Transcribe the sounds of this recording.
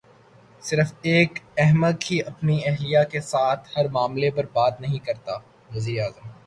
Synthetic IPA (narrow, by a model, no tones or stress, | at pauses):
sɪɾəfeːkɛɦməd̪̚kiʔɐpniɛɦlijakesaːt̪ʰhɐɾmaːmlepɐɾbaːt̪nɐɦĩkɐɾt̪aː | ʋɐziːɾeaːzəm